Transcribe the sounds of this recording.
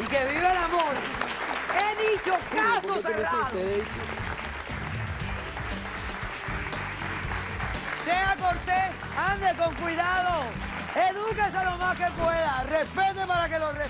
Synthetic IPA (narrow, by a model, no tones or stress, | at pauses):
ikeβiβelamoɾ | eðit͡ʃokasosreðee | seakoɾt̪es | and̪ekoŋkwiðaðo | eðukes̬alomaskepweðarespet̪epaɾakelore